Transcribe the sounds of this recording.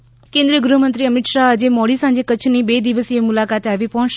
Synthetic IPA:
kẽnd̪ɾijəɡɾuɦmənt̪ɾiəmɪʈ̪ʃaːd͡ʒemɔɽisãnd͡ʒekət͡ʃʰnibed̪iʋəsiemulakat̪eaʋipɔɦʃ

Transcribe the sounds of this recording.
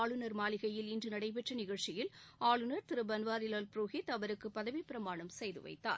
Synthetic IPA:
ɭɯnɐɾmaːlɪɣɐjɪlɪndrɯnɐɽɐɪp̬ɛʈrɐnɪɣɐɭt͡ʃɪjɪlaːɭɯnɐɾt̪ɪɾɯbɐnʋaːɾɪlaːlpɾoːɣɪt̪ɐʋɐɾɯkːɯpːɐðɐʋipɪɾɐmaːɳɐmsɛjðɯ̰ʋɐ̰ɪt̪ːa̰ːɾ

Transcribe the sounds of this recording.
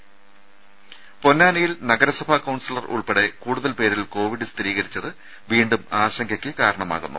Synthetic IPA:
po̞nːaːnɐjilnɐɡɐɾɐsɐbʱɐkɐwɳsilɐrṵɭpeɽe̞kuːɽuðɐlpe̞ːɾilko̞ːʋiɽɨst̪iɾiːɣɐɾit͡ɕːɐðɨ | ʋiːɳɖumaːɕɐŋɡʰʱɐkʲːɨkaːɾɐɳɐma̰ːɣunːṵ

